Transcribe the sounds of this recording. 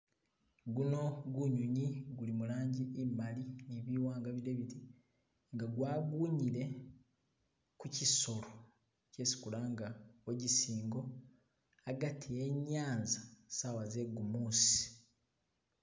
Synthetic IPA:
ɡuno̞ɡuɲuɲiɡulimulaːɲɟiʔːmalineβiwaːŋɡaβiɾeβiti | ŋɡaɡwaːɡuːɲiɾe̞ | kuciso̞lo | ce̞ːsi̥kulaŋɡaoɟisiːŋɡo̞ | aɡatʰieɲːaːnzasawaze̞ɡumuːsi̥

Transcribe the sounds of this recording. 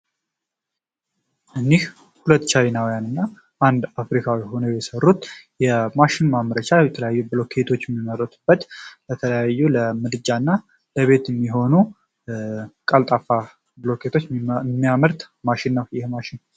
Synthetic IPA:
ʔɨnːih | hulət̪ːt͡ʃʰajinawijanɨnːa | ʔand̪afɾikʰawiho̞nojɛsərːut̪jɛmaʃɪnmamɾət͡ʃajɛt̪ʰələjajːubɨlo̞kʰːe̞t̪ʰo̞t͡ʃːjɛmːimːəɾət̪ʰub̥ːət̪bət̪ʰələjajːuləmɨd̪ɨd͡ʒanːa | ləβe̞t̪jɛmːiɦo̞nu | kʼalt̪ʼafa | bɨlo̞kʰe̞t̪ʰo̞t͡ʃːmːijaməɾt̪ | maʃɪnːəwjɪhmaʃɪn

